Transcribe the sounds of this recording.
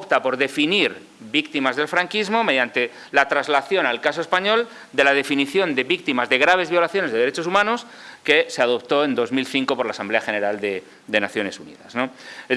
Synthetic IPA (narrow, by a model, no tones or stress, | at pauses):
opt̪apo̞ɾðe̞finiɾ | βikt̪imazð̞e̞lfɾaŋkizmo̞me̞ðjant̪e̞ | lat̪ɾazlaθjo̞nalkas̬o̞e̞spaɲo̞l | d̪e̞lað̞e̞finiθjo̞nd̪e̞βik̚t̪imazðe̞ɣ̞ɾaβ̞e̞zβjo̞laθjo̞nezðeðɾe̞t͡ʃo̞sumãno̞s | ke̞seað̞o̞p̚t̪o̞e̞nd̪o̞zmilθiŋko̞po̞ɾlaːsamble̞axe̞ne̞ɾald̪e | d̪e̞naθjo̞ne̞sunḭðazno